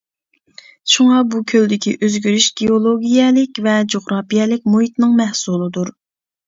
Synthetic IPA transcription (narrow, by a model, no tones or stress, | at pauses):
ʃuŋɑbukʲʰøld̪ɪkʲʰḭʔøzɡʲyɾyʃɡ̥ʲeolˠoɡʲijɛlɪkʲvɛd͡ʒoχɾɑːpijɛlɪk̚ʲmoɦit̪nɨŋmɛhsulˠɨd̪uɾ